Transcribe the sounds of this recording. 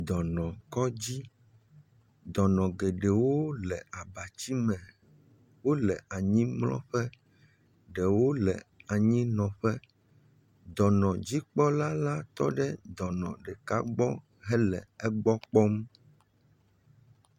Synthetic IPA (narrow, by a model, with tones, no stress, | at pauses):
d̪ɔ˨nɔ̃˨kɔ˦d͡ʑi˦ | d̪ɔ˨nɔ̃˨ɡe˨ɖɛ˨wo˦lɛ˨a˨ba˨t͡ɕi˦mɛ̃˨ | wo˦lɛ˨ʔa˨ɲĩ˦mlɔ̰̃˦ɸɛ˦ | ɖɛ˨wo˦lɛ̰˨a˨ɲĩ˦nɔ̃˨ɸɛ˦ | d̪ɔ˨nɔ̃˨d͡ʑi˦k͡pɔ˦la˦la˦t̪ɔ̰˦ɖɛ˦d̪ɔ˨nɔ̰̃˨ɖɛ˨ka̰˦ɡ͡bɔ˦ | ɦɛ˦lɛ̰˨ɛ˦ɡ͡bɔ˦k͡pɔ˦m